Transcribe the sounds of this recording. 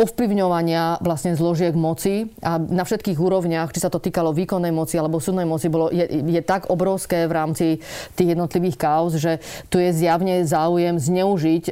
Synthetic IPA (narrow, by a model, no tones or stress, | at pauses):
ɔfpliʊɲɔʋaɲɪaʋlasɲɛzlɔʒɪɛɡmɔt͡sianafʃɛt̪̚kiːɣuːɾɔʊɲɪaxt͡ʃisat̪ɔt̪iːkalɔʋiːkɔnːɛjmɔt͡sialɛbɔsud̪nɛjmɔt͡sibɔlɔjɛjɛt̪aɡɔbɾɔʊskɛːʋɾaːmt͡sit̪iːɣjɛd̪nɔt̪liʋiːxkaɔzʒɛt̪ujɛzjaʊɲɛzaːujɛmzɲɛuʒic